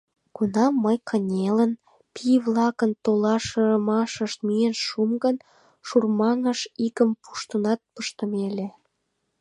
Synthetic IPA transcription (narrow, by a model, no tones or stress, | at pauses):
ɡ̥unɑmːəjkʰənʲelən | pʰijβlɑkənt̪olɑʃəmɑʃəʃt̪myenʃumɡən | ʃurmɑŋəʃikəmpʰu̥ʃt̪ənɑt̪̚pəʃt̪əmele